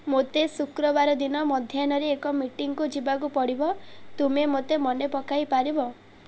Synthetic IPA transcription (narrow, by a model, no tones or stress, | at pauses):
mot̪esukɾɔbaɾɔd̪inɔmɔd̪ʱjanɔɾeːkɔmiʈiŋkud͡ʒibakupɔɽibɔt̪umemot̪emɔnepɔkajpaɾibɔ